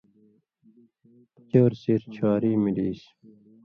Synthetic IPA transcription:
t͡ɕoːɾsiɾt͡ɕʰaːɾiːmiɖiːs

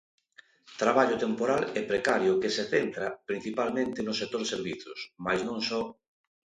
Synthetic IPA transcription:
t̪ɾaβaʎʊt̪empoɾalɛpɾekaɾjʊkeseθent̪ɾapɾin̟θipalmẽnt̪ɪnʊsek̚t̪oɾseɾβiθosmajznõŋsɔ

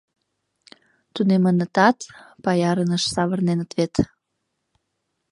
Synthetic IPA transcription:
t̪unemənət̪ɑt̪pɑjɑɾənəʃsɑβərnenət̪βet̪

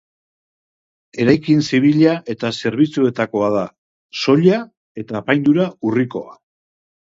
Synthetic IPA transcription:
e̞ɾajkinsiβ̞iʎaʔe̞t̪ase̞ɾβit͡sue̞t̪ako̞að̞a | so̞ʎa | e̞t̪aːpajnd̪uɾauriko̞a̰

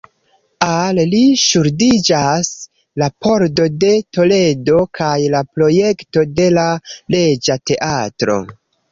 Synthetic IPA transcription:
alliʃuɾdid͡ʒas | lapʰo̞ɾdo̞de̞to̞le̞do̞kʰajlapɾo̞je̞kto̞de̞lale̞d͡ʒate̞ʔatɾo̞̰

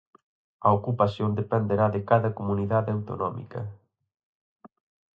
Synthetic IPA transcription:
ɐokupasjond̪epend̪eɾaðɪkaðɐkomuniðaðawt̪o̰nɔmḭkɐ̰

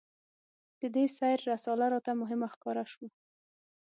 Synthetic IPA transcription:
d̪̥əd̪esajɾːasɑlaɾɑt̪amʊɦɪmaxkɑɾaʃwo

